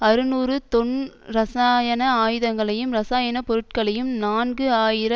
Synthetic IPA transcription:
ɐɾɯnuːɾɯt̪ɔɳɾɐsaːjɐnɐaːjɪðɐŋɡɐɭɐjɯmɾɐsaːjɐnɐpɔɾɯʈ̚kɐɭɐjɯmnaːnɡɯaːjɪɾɐ

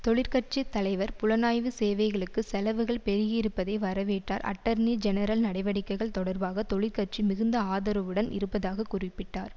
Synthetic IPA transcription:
t̪ɔɭɪɾkɐrt͡ʃit̪ːɐlɐɪʋɐɾpʊlɐnaːjʋɯseːʋɐɪɣɐɭɯkːɯsɛlɐʋɯɣɐɭpɛɾɯɣɪɪɾɯpːɐðɐɪʋɐɾɐʋeːʈːaːɾʔɐ̰ʈːɐɾnid͡ʒɛnɐɾɐlnɐɽɐɪʋɐɽɪkːɐɪɣɐɭt̪ɔɽɐɾbaːɣɐt̪ɔɭɪɾkɐr̚t͡ʃimɪɣɯnd̪ɐaːðɐɾɐʋɯɽɐnɪ̰ɾɯpːɐðaːɣɐkʊrɪpːɪʈːaːɾ

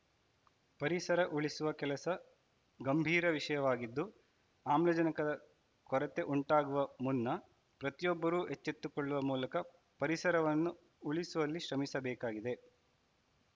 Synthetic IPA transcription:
pɐɾisɐɾɐʔuɭisuʋɐkɛlɐsɐ | ɡɐmbʱiːɾɐʋiʂɐjɐʋaːɡid̪ːu | aːmlɐd͡ʒɐnɐkɐd̪ɐ | kɔɾɐt̪e̞ʔuɳʈaːɡuʋɐmunːɐ | pɾɐt̪ijɔbːɐɾuːʔet͡ʃːet̪ːukɔɭːuʋɐmuːlɐkɐ | pɐɾisɐɾɐʋɐnːu | uɭisuʋɐlːiʃɾɐmisɐbɛːkaːɡid̪e̞

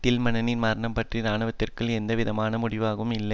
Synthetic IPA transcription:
ʈ̪ɪlmɐnɐnɪnmaːɾɳɐmpɐʈrinaːɳɯʋɐt̪ːɪrkɯɭɛnd̪ɐʋɪðɐmaːnɐmʊɽɪʋaːɣɯmɪlːɐ

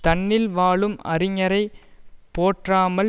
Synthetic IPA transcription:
t̪ɐɳːɪlʋaːɭɯmɐ̰ɾɪŋɐɾɐɪpːoːʈraːmɐ

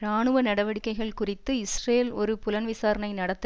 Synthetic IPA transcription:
ɾaːɳɯʋɐnɐɽɐʋɐɽɪkːɐɪɣɐɭkʊrɪt̪ːɯɪsreːlɔɾɯpʊlɐnʋɪsaːɾɐnɐɪnɐɽɐt̪ːɯ

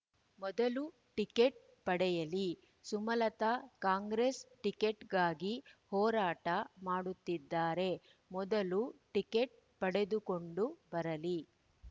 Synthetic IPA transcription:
mɔd̪ɐlu | ʈikeʈ̚ | pɐɽɛjɐli | sumɐlɐt̪ɐkaːŋɡɾesʈikeʈɡaːɡihɔːɾaːʈɐmaːɽut̪ːid̪ːaːɾe̞ | mɔd̪ɐluʈikeʈ̚ | pɐɽe̞d̪ukoɳɖubɐɾɐli

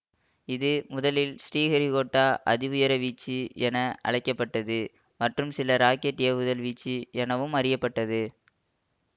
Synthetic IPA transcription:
ɪðɯmʊðɐlɪlsʈiːɣɐɾiɣoːʈːaːʔɐ̰ðɪʋʊjɐɾɐʋiːt͡ʃːiɛnɐʔɐ̰ɭɐɪkːɐpːɐʈːɐðɯ | mɐʈrɯmsɪlɐɾaːkeʈːɪjɐʋʊðɐlʋiːt͡ʃːiɛnɐʋɯmɐɾɪjɐpːɐʈːɐðɯ

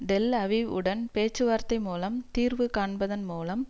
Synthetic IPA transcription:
ɖ̪ɛlɐʋɪʋɯ̰ɽɐnpeːt͡ʃːɯʋaːɾt̪ːɐɪmuːlɐmt̪iːɾʋɯkaːɳbɐðɐnmuːlɐm

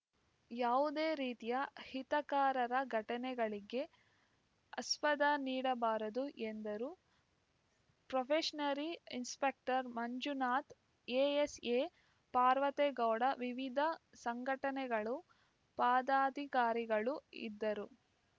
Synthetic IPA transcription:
jaːʋud̪eːɾiːt̪ijɐhit̪ɐkaːɾɐɾɐɡʱɐʈɐnɛɡɐɭiɡe̞ | ɐspɐd̪aniːɽɐbaːɾɐd̪uʔend̪ɐɾu | pɾɐpʰeʂɐnɐɾiinspek̚ʈɐɾmɐɲd͡ʒunaːt̪ | eːeseː | paːɾʋɐt̪ɛɡɐwɽɐʋiʋid̪ʱɐsɐŋɡʱɐʈɐnɛɡɐɭu | paːd̪aːd̪ʱikaːɾiɡɐɭuḭd̪ːɐɾu

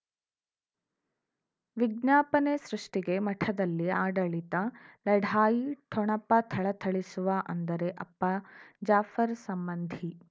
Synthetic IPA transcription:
ʋiɡ̚njaːpɐnesɾuʂʈiɡe̞mɐʈʰɐd̪ɐlːiaːɖɐɭit̪ɐlɐɖʱaːjiʈʰɔɳɐpːɐt̪ʰɐɭɐt̪ʰɐɭisuʋɐʔɐnd̪ɐɾe̞ʔɐpːɐd͡ʒaːfɐɾsɐmbɐnd̪ʱi

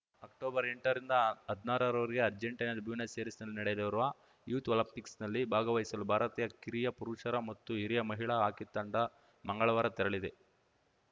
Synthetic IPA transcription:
ɐk̚ʈoːbɐɾeɳʈɐɾind̪ɐɐd̪naːɾɐɾɐʋɐɾiɡe̞ɐɾd͡ʒeɳʈɐjnɐd̪buːnɐseːɾisnɐlːinɐɽed̪ɐʋɐɾuʋɐ | juːt̪ʋɐlɐpːiksnɐlːibʱaːɡɐʋɐɦisɐlubʱaːɾɐt̪iːjɐkiɾijɐpuɾuʂɐɾɐmɐt̪ːuiɾijɐmɐɦiɭɐaːkit̪ːɐɳɖɐ | mɐŋɡɐɭɐʋɐːɾɐt̪ɛɾɐɭid̪e̞

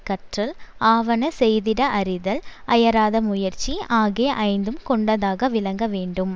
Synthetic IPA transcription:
kːɐʈrɐlaːʋɐnɐsɛjðɪɽɐʔɐɾɪðɐlɐjɐɾaːðɐmʊjɐɾt͡ʃiʔaːɣeːʔɐɪnd̪ɯmkɔɳɖɐðaːɣɐʋɪlɐŋɡɐʋeːɳɖɯm

